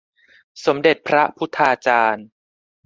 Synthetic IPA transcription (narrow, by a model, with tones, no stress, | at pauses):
so˩˦mde˨˩t̪̚pʰɾa˦˥pʰu˦˥t̪ʰːaː˧t͡ɕaː˧n